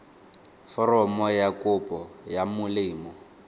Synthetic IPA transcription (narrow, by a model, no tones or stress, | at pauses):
fɔrɔmɔjakʼʊpʼɔjamʊlɪːmɔ